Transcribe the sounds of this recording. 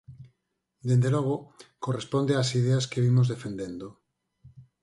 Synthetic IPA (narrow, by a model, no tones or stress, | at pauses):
d̪end̪eloɣ̞okorespond̪easið̞easkeβimozðefend̪end̪o